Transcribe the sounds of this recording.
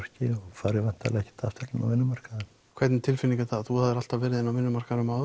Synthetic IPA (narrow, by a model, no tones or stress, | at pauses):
r̥cɪɔfaːɾɪvan̥t̪a̰lɛɛhct̪ʰa̰ft̪ɛɾɪna̰wvɪnːʏmar̥kaðɛn | kʰvɛɾt̪nɪt̪ʰɪlfɪniŋkaθaθuhaðɪɾal̥t̪avɛːɾɪðɪnawmɪnːʏmaɾ̥kaɾʏmawð